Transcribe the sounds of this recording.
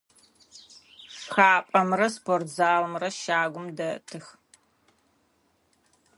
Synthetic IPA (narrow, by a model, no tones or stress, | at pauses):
sxaːpʼɐmrɐspʰortzaːlmrɐʃaːɡʷʊmdɐtʰɨx